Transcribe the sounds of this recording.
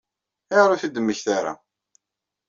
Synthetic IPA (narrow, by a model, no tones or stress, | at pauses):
əʁɾʊθid̪əmːəçθaɾa̰